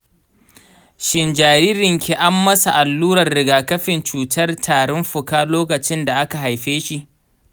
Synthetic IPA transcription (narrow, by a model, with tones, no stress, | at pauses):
ʃɪ˨nd͡ʒaː˨ɾiː˦ɾɪ˨ŋkʰʲe˨ʔa˦mːɐ˦sa˨ʔa˨lːuː˦ɾɐ˨rːɪ˨ɡaː˨kɐ˦ɸɪ˨nt͡ʃuː˨tɐ˦rtʰaː˨ɽɔ˦mɸʊ˨kaː˦loː˦kɐ˨t͡ʃɪ˦nda˨ʔa˦ka˨ɦa˨jɸeː˦ʃi˦˨ʔ